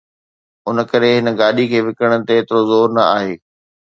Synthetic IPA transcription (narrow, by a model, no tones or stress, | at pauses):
ʊnə̆kɐɾeɦɪnə̆ɡaːɗikʰeːʋɪkəɽ̃ə̆t̪eːt̪ɪɾozoːɾnɐaːɦeː